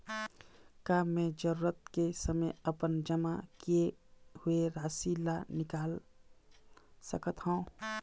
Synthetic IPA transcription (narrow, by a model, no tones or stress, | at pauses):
kaːmːẽd͡ʒəɾuːɾət̪̚kesəməjəpənd͡ʒəmakijehʊeɾaːsilanɪkaːl | səkət̪ɦãõ